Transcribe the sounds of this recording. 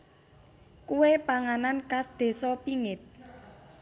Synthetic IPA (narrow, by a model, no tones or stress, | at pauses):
kuwepaŋanankasd̪̥e̤sɔpiŋɪt̪̚